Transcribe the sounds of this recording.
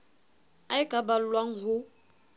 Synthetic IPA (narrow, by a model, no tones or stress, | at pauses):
aɪkʼabal̩lwaŋ̩ɦʊ